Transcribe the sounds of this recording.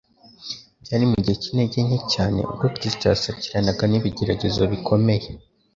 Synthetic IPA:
bɟaːɾimuɟihecineɟeɲhecaːne̞̰ʔṵɡokɾistoasaciɾanaɡaniβiɟe̞ɾaɟe̞zoβikʰo̞me̞je̞

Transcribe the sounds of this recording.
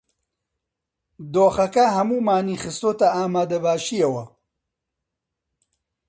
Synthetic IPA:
d̪oːxɐkɐɦɐmuːmaːniːxɨst̪oːt̪ɐaːmaːd̪ɐbaːʃijɐwɐ

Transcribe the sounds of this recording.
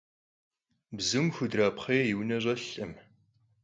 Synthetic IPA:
bzɨmxʷʊdraːpχeːjjɪwnɐʑʼɐɬʼɨm

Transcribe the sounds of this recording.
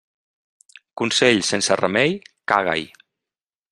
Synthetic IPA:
kunseʎsensərəmɛjka̰ɣa̰j

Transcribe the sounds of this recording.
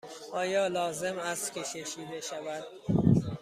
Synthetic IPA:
ʔɒːjɒːlɒːze̞mæst̪kʲʰe̞ʃʰeʃiːd̪eʃævæd̪̥̚

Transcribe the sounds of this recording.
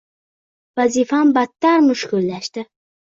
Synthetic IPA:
vazifambat̪ːaɾmʊʃkʊlːaʃt̪ɪ

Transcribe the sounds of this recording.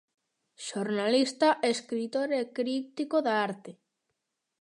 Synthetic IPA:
ʃoɾnalist̪aʔeskɾit̪oɾekɾit̪ikoðaaɾt̪e

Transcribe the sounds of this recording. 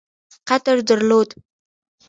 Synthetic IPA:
qat̪əɾd̪əɾlod̪

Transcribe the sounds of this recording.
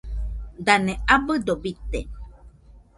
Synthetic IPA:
d̪aneabəd̪obit̪e

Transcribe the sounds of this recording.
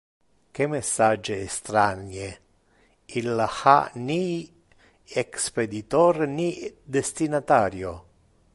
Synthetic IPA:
kemesːad͡ʒeːst̪ɾanje | ilːaxa̰ni | eksped̪it̪ɔɾnid̪est̪inat̪aːɾjo

